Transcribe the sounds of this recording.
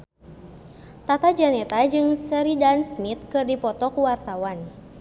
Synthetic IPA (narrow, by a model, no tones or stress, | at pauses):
t̪at̪ad͡ʒanɛt̪ad͡ʒɨŋsəɾidansmit̪̚kɨrdipɔt̪ɔkuwart̪awan